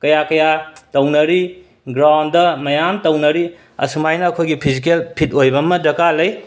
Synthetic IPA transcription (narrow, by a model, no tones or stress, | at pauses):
kɐjakɐjatɐwnɐɾi | ɡɾawndɐmɐjamtɐwnɐɾi | ɐ̰sumajnɐːkʰojɡipʰizik̬elpʰit̚ojbɐmɐdɐkalɐj